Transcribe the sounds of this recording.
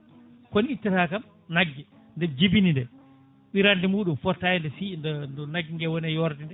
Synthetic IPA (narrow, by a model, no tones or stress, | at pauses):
koniitːitakam | naɡːi | ndɛmd͡ʒibinindɛ | ɓiɾandimuːɗumfɔtːajɛndɛsindndɔnaɡːiŋɡɛwɔnɛjɔɾdindɛ